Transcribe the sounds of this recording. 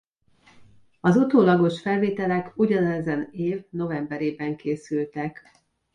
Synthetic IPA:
ɒzut̪oːlɒɡo̞ʃfɛlveːt̪ɛlɛkuɟɒnɛzɛneːvno̞vɛmbɛɾeːbɛŋkeːsylt̪ɛk

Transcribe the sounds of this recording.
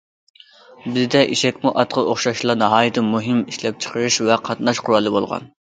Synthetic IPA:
bɪzd̪ɛʔiʃɛkʲmuʔɑt̪qʰəoχʃɑʃlˠɑnɨɦɑːjɨt̪ʰɨmuɦɪmiʃlɛp̚t͡ʃʰə̥qʰəɾɨʃvɛqʰɑt̪nɑʃqʰʊɾɑlˠːɨbolˠʁɑ̰n

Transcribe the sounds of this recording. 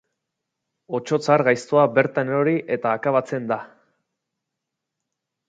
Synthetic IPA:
o̞t͡ʃo̞t͡saɾɣajst̪oabe̞ɾt̪aneɾo̞ɾiʔe̞t̪aːkaβat͡se̞nd̪a

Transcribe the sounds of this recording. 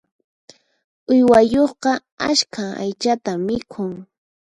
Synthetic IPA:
ʊjwajoχqɑ | aʃkʰaa̰jt͡ʃat̪amːɪkʰʊŋ

